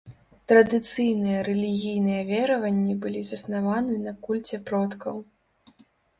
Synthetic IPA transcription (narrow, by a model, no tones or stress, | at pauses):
t̪ɾɐd̪ɨt̪sɨjnɨjɐɾɛlʲiɣʲijnɨjɛvʲɛɾɐvɐnʲːibɨlʲizɐsnavanɨnɐkulʲt͡sʲɛpɾɔt̪kɐw